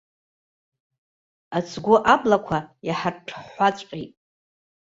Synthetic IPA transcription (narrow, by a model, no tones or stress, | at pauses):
at͡sʰɡʷoʔablakʷʰajaħarʈ͡ʂʰħːʷat͡sʷʼqʲʼitʼ